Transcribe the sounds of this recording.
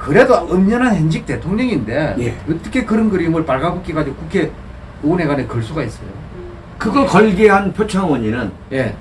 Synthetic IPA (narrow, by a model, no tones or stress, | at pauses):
kɯɾedoɯmɲʌnɦanhend͡ʑik̚t͈e̞tʰoŋɲʌŋinde̞jeɯt͈ʌkʰe̞kɯɾʌnɡɯɾimɯɭpaɭɡaɡok͈ikad͡ʑiɡokukʰe̞ | one̞ɡanekɯɭs͈uɡais͈ʌ̰jo | kɯɡʌɭkʌɭɡeɦanpʰjot͡ɕʰaŋwʌɲinɯn | je̞